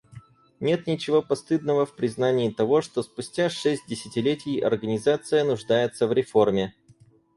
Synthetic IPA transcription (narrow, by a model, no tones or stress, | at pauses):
nʲe̞t̪nʲɪt͡ɕɪvo̞pɐst̪ɨd̪nəvəfpɾʲɪznanʲɪːt̪ɐvo̞ʂt̪o̞spʊsʲtʲaʂɛsʲt̚ʲdʲɪsʲɪtʲɪlʲetʲɪjɐ̰rɡənʲɪzat̪sɨjənʊʐd̪ajɪt̪səvɾʲɪfo̞rmʲɪ